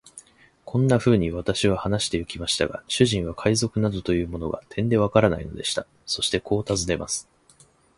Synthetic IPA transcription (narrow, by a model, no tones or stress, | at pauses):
kʰõ̞nːaɸɯ̟ːɲ̟iβat̪aɕiβahanaɕi̥t̪e̞ɯ̟kʲimaɕi̥t̪a̰ɡa̰ɕɨʑĩɰ̃βakʰaizo̞kɯ̟nad̪o̞t̪o̞jɯ̟ːmo̞no̞ɡa̰t̪ʰẽ̞nd̪e̞β̞akaɾana̰ino̞̰d̪e̞ɕi̥t̪a | so̞ɕi̥t̪e̞kʰo̞ːt̪azɨne̞masɨ̥